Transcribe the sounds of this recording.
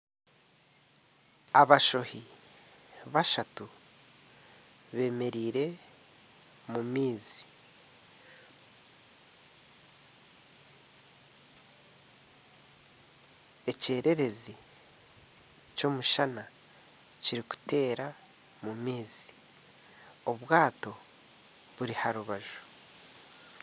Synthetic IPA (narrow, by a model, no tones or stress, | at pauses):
aβaʃo̞hi | βaʃatu | βe̞ːme̞ɾiːɾe̞ | mumiːzi | e̞ce̞ːɾe̞ɾe̞zi | co̞ːmuʃana | ciɾiku̥te̞ːɾa | mumiːzi̥ | o̞βwaːto̞ | βuɾihaɾuβaʒu̥